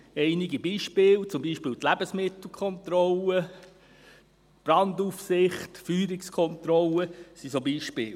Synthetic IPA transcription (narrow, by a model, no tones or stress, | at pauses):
ɛɪnɪɡibiːʃpɪːlt͡sʊmbiːʃpɪːlt̪læb̥əsmɪtl̩ˠkʰɔnt̪ɾɔlə | b̥ɾɑndufsɪχtfyːɾɪkskʰɔnt̪ɾɔlːəsisobiːʃpɪːl